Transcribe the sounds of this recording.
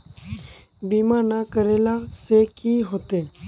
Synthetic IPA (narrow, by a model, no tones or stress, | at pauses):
biːmaːɾnakəɾeːlaːseːkiːɦoːt̪eː